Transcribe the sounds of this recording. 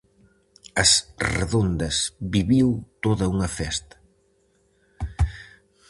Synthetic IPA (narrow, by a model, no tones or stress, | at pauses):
ɐsrḛðond̪ɐzβiβiwt̪oðɐuŋɐfɛst̪ɐ̥